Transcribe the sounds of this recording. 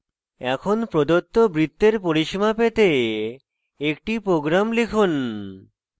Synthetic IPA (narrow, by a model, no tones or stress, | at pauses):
ɛkʰonpɾod̪ot̪ːobɾit̪ːeɾpoɾiʃmapet̪e | ek̚ʈipɾoɡɾamlekʰun